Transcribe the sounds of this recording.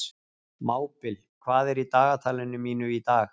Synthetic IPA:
maːwpɪl | kʰvaːðɛɾit̪aːɣat̪ʰaːlɪnːʏmiːnʏit̪aːx

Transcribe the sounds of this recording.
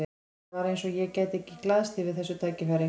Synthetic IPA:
ɪ | aɾejnsɔjɛcaːjt̪ɛhcɪklaːðst̪ʰivɪðθɛsːʏt̪ʰaːcɪfaɾɪ

